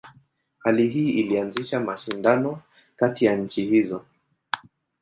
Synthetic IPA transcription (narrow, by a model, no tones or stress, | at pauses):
haliɦiːilianziʃamaʃindanɔ | katijaɲ̩t͡ʃihizɔ